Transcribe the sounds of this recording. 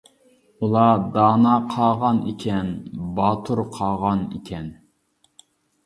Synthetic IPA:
ulˠɑd̪ɑːnɑqʰɑːʁɑnḭkʲʰɛnbɑːt̪ʰuɾqʰɑːʁɑnḭkʲʰɛn

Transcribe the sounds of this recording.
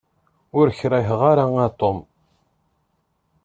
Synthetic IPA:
ʊɾçɾæçʁaɾaat̪ˤom

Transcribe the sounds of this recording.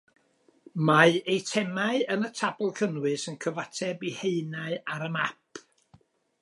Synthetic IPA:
maɨejtʰɛmaɨənətʰabʊlˠkʰənwɨsənkʰəvatʰɛbiheɨnaɨaɾəmapʰ

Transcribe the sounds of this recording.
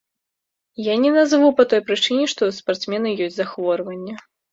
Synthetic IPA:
janʲɛnazvupɐt̪ɔjpɾɨt͡ʂɨnʲɛʂt̪ɔuspart̪smʲɛnɐjɔsʲt͡sʲzaxvɔrvɐnʲːɛ

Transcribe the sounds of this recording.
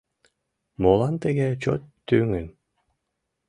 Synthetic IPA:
moːlˠant̪ɛɡɛt͡ɕɔ̰t̪ːyːŋyn

